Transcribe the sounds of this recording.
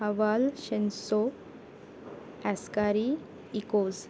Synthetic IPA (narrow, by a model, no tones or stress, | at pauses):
aʋalɕenso | ɛskaɾi | ikoz